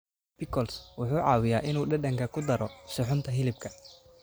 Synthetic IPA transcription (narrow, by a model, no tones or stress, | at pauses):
b̥ɪkʰɔlswʊħuːʕɑ̰ːwɪjaːʔɪnuːɖɐɖɐŋkʰɐkʰʊd̪ɐɾɔʃʊħʊnt̪ʰɐɦɪlɪb̚kʰɐ